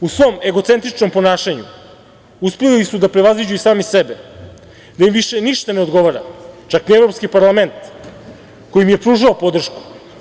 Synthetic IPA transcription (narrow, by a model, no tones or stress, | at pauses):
usʋo̞me̞ɡo̞t̪se̞nt̪ɾit͡ʃnompo̞naːʃaɲṵ | uspelilisud̪apɾe̞ʋazʋid͡ʑuisaːmisebe | d̪aimʋiʃe̞niʃt̪ane̞o̞d̪ɡo̞ʋaɾa̰t͡ʃaknievɾopskipaɾlˠame̞nt̪ | ko̞jimije̞pɾuːʒaopo̞d̪r̩ʃku̥